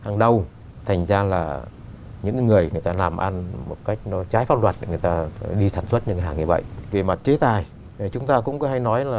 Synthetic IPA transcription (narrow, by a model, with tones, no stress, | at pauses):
haː˨˩ŋɗə˧w | t̪ʰa˨˩jŋ̟zaː˧laː˨˩ | ɲɨ̰˧˥ŋ˨˧˦ŋɨ˨˩əjŋɨ˨˩əjt̪aː˧laː˨˩mʔa˧nmo˨˩t̚ka˦˥jk̚nɔ˨˦t͡ɕaː˨˦jfaː˦˥tlwaː˨˩t̚ŋɨ˨˩əjt̪aː˧ɗi˧saː˧˩nswə˦˥t̚ɲɨ̰˧˥ŋkɦaː˨˩ŋɲɨ˧və̰˧˨jʔve˨˩ma˨˩t̚t͡ɕe˨˦t̪aː˨˩j | t͡ɕʊ˨˦ŋ͡mt̪aː˧kʊ̰˧˥ŋ͡mkɔ˨˦ha˧jnɔ˨˦jlaː˨˩